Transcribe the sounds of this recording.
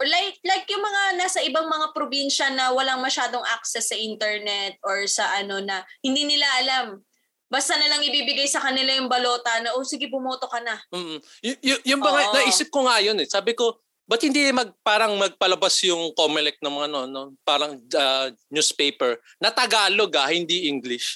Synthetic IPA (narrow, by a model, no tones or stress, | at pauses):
lajk̚lajkjʊŋmɐŋanaːsɐʔɪbaŋmɐŋapɾobinʃɐnɐwɐlaŋmɐʃaːd̪o̞ŋʔak̚sɛsːɐʔint̪ɛɹnɛt̪̚ʔoɹsɐʔɐno̞nɐhɪnd̪iːnɪlaʔɐlam | bast̪anɐlɐŋʔɪbiːbɪɡajsɐkɐnɪlajʊŋbɐlo̞ːt̪ɐnɐʔosɪɡɪbʊmoːt̪o̞kɐnɐm̩ːʔ̩jʊjʊjʊŋmɐŋanɐʔiːsɪp̚koŋaːjo̞nɛsaːbɪko̞ | bɐt̪̚hɪnd̪iɪmɐɡ̚paːɾɐŋmɐɡ̚pɐlɐbasjʊŋkoːmɪlɛk̚t̪nɐŋmɐŋɐʔɐnoʔɐnopaːɾɐŋɐnjuspejpɛɹ | nɐt̪ɐɡaːloɡahɪnd̪iʔiŋɡlɪʃ